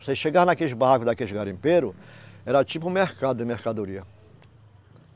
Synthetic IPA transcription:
seʃeɡaɾnakeɪbaɦakʊd̪akeliɡaɾĩmpeɾʊɛɾɐt͡ʃipʊ̃mehkad̪ʊɪmeɾkad̪oɾiɐ

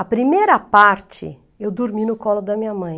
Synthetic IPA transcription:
ɐpɾimejɾɐpaɾt͡ʃɪ̰ | ewd̪oɾminʊkɔlʊd̪ɐmĩɲɐmɐ̃j̃

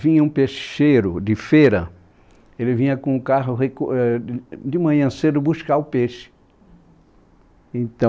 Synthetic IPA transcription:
vĩɲɐũpeʃeɾʊd̪ɪfejɾɐ | elɪvĩɲɐkõʊkaɦʊɦekoɛd̪ɪmɐ̃ɲɐ̃sed̪ʊbuskaʊpeʃɪ̥ | ẽt̪ɐ̃

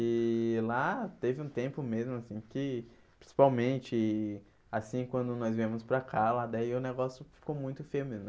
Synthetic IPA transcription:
ɪlat̪evɪũt̪ẽmpʊmezmʊasĩkɪ | pɾĩsi̥pawmẽnt͡ʃɪ | asĩkwɐ̃nd̪ʊnɔzvẽmʊspɾakʰalad̪aiʊneɡɔsjʊfi̥kowmũj̃t̪ʊfejʊmezmʊ

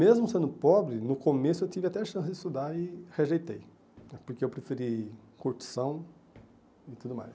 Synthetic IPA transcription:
mezmʊsẽnd̪ʊpɔbɾɪnʊkomesʊewt͡ʃivɪat̪ɛɐʃɐ̃sɪzd͡ʒɪst̪ud̪aɪheʒejt̪ej | nɛpoɾkeewpɾefiɾikoɾt͡ʃi̥sɐ̃w̃ | ɪt̪ud̪ʊma̰js

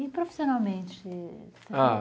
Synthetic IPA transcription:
ipɾofi̥sjonalˠmẽnt̪ɛ | t̪a

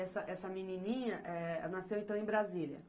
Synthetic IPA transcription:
ɛsɐʔɛsɐminĩnĩɲɐʔɛɛnasewẽt̪ɐ̃w̃ẽbɾazilɐ̰

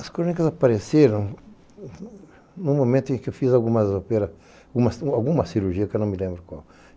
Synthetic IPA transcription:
ɐskɾõnikɐzapaɾeseɾɐ̃w̃ | nũmomẽnt̪ʊẽkɪewfizawɡũmɐzopeɾɐ | ɡũmɐsawɡũmɐsiɾuɾʒiɐkwnɐ̃w̃mɪlẽmbɾʊkwa̰w

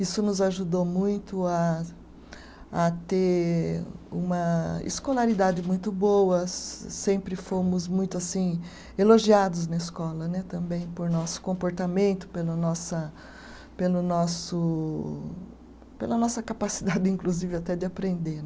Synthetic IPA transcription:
isʊnʊzaʒud̪omũj̃t̪ʊa | t̪e | ṵ̃mɐḛskolaɾid̪ad͡ʒɪmũj̃t̪ʊbowɐsẽmpɾɪfomʊzmũj̃t̪ʊasĩ | eloʒiad̪ʊznɐɪskɔlɐnɛt̪ɐ̃mbẽj̃poɾnɔsʊ̥kõmpoɾt̪amẽnt̪ʊ̥pelɐnɔsɐ | pelʊnɔsʊ | pelɐnɔsɐkapasid̪ad͡ʒɪĩkluzivɪat̪ɛd͡ʒ̪ɪapɾẽnd̪enɛ

